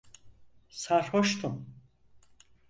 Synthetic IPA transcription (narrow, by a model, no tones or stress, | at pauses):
saɾhoʃt̪ʰum